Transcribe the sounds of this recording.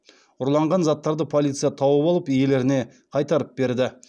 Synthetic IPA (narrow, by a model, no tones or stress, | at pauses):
ʊɾlˠɑɴʁɑnzɑt̪ːɑɾd̪əpʰolˠit̪sɨjɑt̪ʰɑwəpɑlˠəpije̞le̞ɾɪne̞ | qʰɑjt̪ɑɾəp̚be̞ɾd̪ɪ